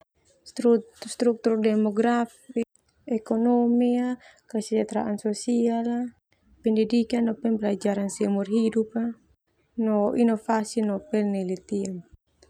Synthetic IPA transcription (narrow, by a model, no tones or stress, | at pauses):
st̪ust̪ɾuk̚t̪urdɛmɔɡɾafi | ɛkɔnɔmiakasid͡ʒat̪ɾa̰ʔansɔsiala | pɛndɛdikanɔpɛnbɛlad͡ʒaɾansiamɔrɦidupa | nɔʔinɔfasinɔpɛlnɛlɛt̪iam